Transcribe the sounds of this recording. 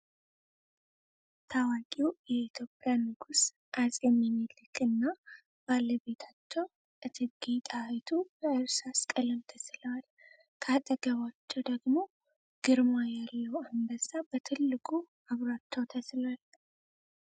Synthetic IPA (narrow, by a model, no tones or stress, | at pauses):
t̪ʰawakʼiwjɛit̪ʰjo̞pʼːjanɨɡus | ʔazʼjɛmːɛmilɨkʼɨnːa | b̥alːəβe̞t̪ʰat͡ʃːɛw | ʔɨt̪ʰɨɡet̪ʼajt̪ʰubəɨɾsaskʼələmt̪ʰəslal | kʰat̪ʼəɡəβat͡ʃːɛwd̪əɡmo̞ | ɡ̥ɨɾmajalːəwambəsab̥ət̪ʰɨlːɨkʼu | aβɾat͡ʃːəwt̪ʰəslal